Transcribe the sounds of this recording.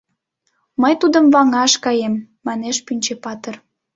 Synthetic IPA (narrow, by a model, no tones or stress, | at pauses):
məjt̪ud̪əmvɑŋɑʃkɑjemː | ɑneʃpynʲt͡ɕepɑt̪ər